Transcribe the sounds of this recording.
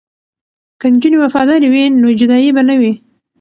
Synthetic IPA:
kənd͡ʒunewafɑd̪ɑɾiwinod͡ʒʊd̪ɑjibanəwi

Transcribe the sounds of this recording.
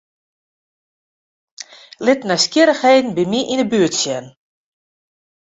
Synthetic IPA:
lɪtnɛjskjɪɾəxheːdn̩bimiʔinəbyətsjɛn

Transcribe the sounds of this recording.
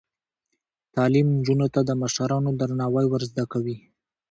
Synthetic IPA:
t̪ɑlimnd͡ʒunot̪ad̪əmaʃaɾɑnod̪aɾnɑwəjwəɾzd̪akawi

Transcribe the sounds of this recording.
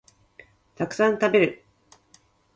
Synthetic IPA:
t̪akɯ̟̥sãnt̪abe̞ɾɯ̟

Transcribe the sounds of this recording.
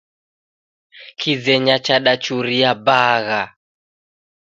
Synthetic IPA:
kʰizɛɲat͡ʃaɗat͡ʃuɾijabaɣa

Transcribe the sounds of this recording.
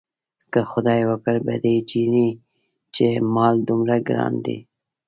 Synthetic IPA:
kaxʊd̪ɑːjwakaɾbḛd̪ed͡ʒini | t͡ʃemɑːld̪ʊmɾaɡɾɑ̰ːnd̪ḭ

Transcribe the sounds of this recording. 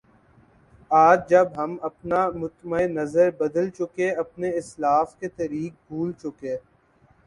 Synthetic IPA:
aːd͡ʒd͡ʒɐbɦɐmɐpnamʊt̪məenɐzəɾbɐd̪əlt͡ʃʊkeɐpneɪslaːfket̪ɐɾiːk̚bʱuːlt͡ʃʊkeː

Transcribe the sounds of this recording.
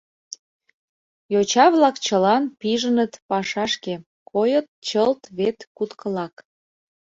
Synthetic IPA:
jot͡ɕɑβlɑkt͡ɕəlɑnpiʒənət̪pɑʃɑʃke | kʰojət̪̚t͡ɕəlt̪βet̪kut̪kʰəlɑk

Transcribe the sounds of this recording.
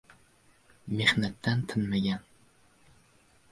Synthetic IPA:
mehnæt̪ʰːɛnt̪ʰɪnmɪɡʲɛn

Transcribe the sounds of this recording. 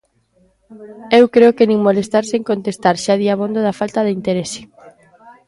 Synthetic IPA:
ewkɾeokenĩŋmolest̪aɾseŋkont̪est̪aɾʃaðiaβond̪oðafalt̪aðeint̪eɾesɪ̥

